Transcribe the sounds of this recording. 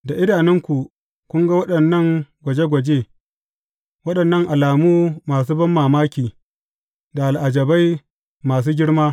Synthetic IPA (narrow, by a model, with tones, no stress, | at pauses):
da˨ʔɪ˦daː˨nɪ˦ŋkʷu˨ | kʷʊ˦ŋɡa˦wɐ˦ɗɐ˨nːɐ˦˨ŋɡʷɐ˨d͡ʒe˦ɡʷɐ˨d͡ʒe˦ | wɐ˦ɗɐ˨nːɐ˦ŋʔa˨laː˨muː˦maː˨s̬uː˦bɐ˦mːaː˨maː˦kʲiː˨ | da˨a˨lʔa˨d͡ʒɐ˨ba˦j | maː˨s̬uː˦ɡʲɪ˦ɽmaː˦